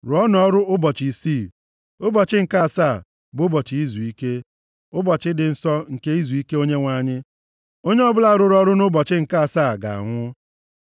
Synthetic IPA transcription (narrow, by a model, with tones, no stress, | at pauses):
ɾɔ˦nɔ˦ɾʊ˦ʊ˦bɔ˨t͡ʃi˨si˦˨ | ʊ˦bɔ˨t͡ʃɪ˦ŋ̩˨ka˦˨saː˦˨ | bʊ˨˦bɔ˨t͡ʃi˨i˦zu˨i˦ke˦ | ʊ˦bɔ˨t͡ʃɪ˦dɪ˨n̩˦sɔ˦ŋ̩˨ke˦i˦zu˨i˦ke˦o˦ɲe˦ŋʷa˨ɲɪ˦ | o˦ɲe˦ɔ˦bʊ˦la˦˨ɾʊ˦ɾɔ˦ɾʊ˦nʊ˦bɔ˨t͡ʃɪ˦ŋ̩˨ka˦a˨sa˦˨ɡa̰˨a̰˨ŋʷʊ˦